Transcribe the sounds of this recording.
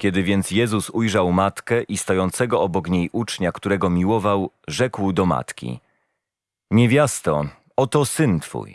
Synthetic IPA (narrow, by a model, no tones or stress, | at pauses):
kʲɛd̪ɘvʲjɛnt̪sjɛzusujʐawmat̪kɛʔist̪ɔjɔnt̪sɛɡɔɔbɔkɲejʔut͡ʂɲakt̪uɾɛɡɔmʲiwɔvawʐɛkwd̪ɔma̰t̪kʲḭ | ɲɛvʲjast̪ɔ | ɔt̪ɔsɘnt̪fṵj